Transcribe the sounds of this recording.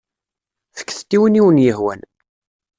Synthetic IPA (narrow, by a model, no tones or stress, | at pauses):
θə̥kːθt̪ːiwəniwənjəhwæ̰n